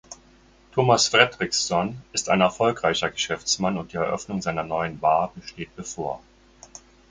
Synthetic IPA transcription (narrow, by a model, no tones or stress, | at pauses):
tʰoːmasfʁ̥ɛdʁɪksɔnʔɪstaɪnɛɐfɔlkʁ̥aɪçɐɡəʃɛft͡smanʊnt̚d̥iːɛɐʔœ̰fnʊŋzaɪnɐnɔʏənbaːbəʃteːt̚b̥əfoːɐ